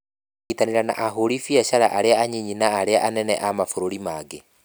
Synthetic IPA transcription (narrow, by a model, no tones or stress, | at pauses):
itaneɾana̰ʔaɦoɾifiɛʃaɾaʔaɾeaaɲiɲinaːɾeaʔanɛnɛ̰ʔamafoɾoɾimaɡe